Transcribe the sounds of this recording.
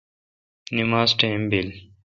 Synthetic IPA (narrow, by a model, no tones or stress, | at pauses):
nimaːzʈẽːmbil